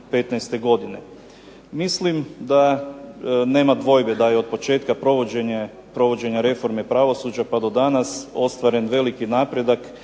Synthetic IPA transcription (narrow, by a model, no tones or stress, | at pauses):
pe̞t̪nɛjst̪e̞ɡo̞d̪ine̞̰ | mislimd̪a | ne̞ːmad̪ʋo̞jbe̞d̪ajeo̞d̪̚po̞t͡ʃe̞ːt̪kapɾoʋoeɲ | pɾo̞ʋo̞d͡ʑe̞ɲaɾe̞fo̞ɾmepɾaʋo̞suːd͡ʒapad̪o̞d̪anaso̞st̪ʋaɾe̞nʋe̞likinaːpɾed̪ak